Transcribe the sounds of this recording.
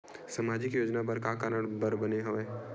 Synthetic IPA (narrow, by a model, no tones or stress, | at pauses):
sɐmaːd͡ʒɪkjoːd͡ʒnabɐɾkakaɾəɽbɐɾbɐneɦɐʋeː